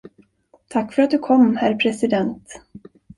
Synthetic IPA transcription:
t̪ʰakːfœɾat̪̚d̪ɵkʰɔmːhæɾpʰɾɛsɪd̪ɛnt̪

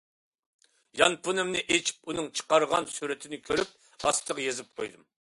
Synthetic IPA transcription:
jɑ̰npʰunɨmnɪʔet͡ʃʰi̥p̚unɨŋt͡ʃʰə̥qɑɾʁɑ̰nsuɾɪt̪ʰɪnɪkʲʰøɾyp̚ | ɑst̪ʰəʁjezɪp̚qʰo̰jd̪ɨm

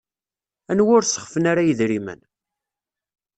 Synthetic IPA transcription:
ænwʊɾsə̥χfənaɾajəðɾimə̰n

